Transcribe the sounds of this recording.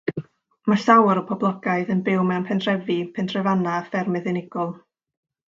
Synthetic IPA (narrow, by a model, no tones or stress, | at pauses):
masawɾəpʰɔblˠɔɡaɨðənbɪwmɛwnpʰɛnd̥rɛvipʰɛnd̥rɛvanafɛrmɨðɪnɪɡ̥ɔlˠ